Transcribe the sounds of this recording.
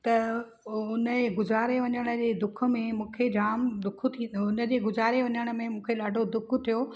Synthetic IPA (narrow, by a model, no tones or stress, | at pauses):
t̪ɐ | ʊnəeɡʊzaːɾeʋɐɲəɽ̃ə̆d͡ʑeːd̪ʊkʰə̆mẽmũːkʰed͡ʑaːmd̪ʊk̆ʰt̪ʰiʊnəd͡ʑeːɡʊzaːɾeʋɐɲəɽ̃ə̆mẽmũːkʰelaːɖʱod̪ʊk̆ʰt̪ʰijo